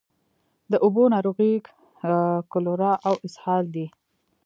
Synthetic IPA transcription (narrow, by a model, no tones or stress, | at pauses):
d̪əʔʊbonɑɾoɣik | kʊloɾɑʔawɪshɑld̪i